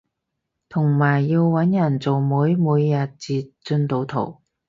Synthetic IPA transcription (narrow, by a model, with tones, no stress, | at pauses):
t̪ʰʊ˨˩ŋmaː˨˩jːiː˧wwɐ˨˥njɐ˨˩nt͡so˨wmuː˨˥jmuː˨˧jːɐ˨t̚t͡siː˧t͡sɵ˧nt̪o˨˧wt̪ʰo˨˩w